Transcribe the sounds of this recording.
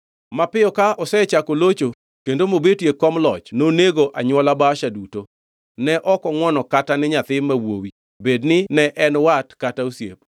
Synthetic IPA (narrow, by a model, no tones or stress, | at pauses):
mapɪjɔkaʔɔsɛt͡ʃakolot͡ʃo | kendomobetjekɔmlɔt͡ʃnoneɡoʔaɲwɔlabaʃaduto | nɛʔɔkɔŋwɔnɔkatanɪɲat̪ɪmawowi | bednɪnɛʔɛnwatkatausjḛp̚